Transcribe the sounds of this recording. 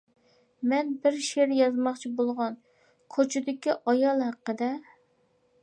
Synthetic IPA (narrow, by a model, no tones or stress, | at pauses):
mɛnbɪɾʃeɾjɑzmɑχt͡ʃʰibolˠʁɑn | kʰot͡ʃʰɪd̪ɪkʲiʔɑjɑlˠhæqːəd̪ɛ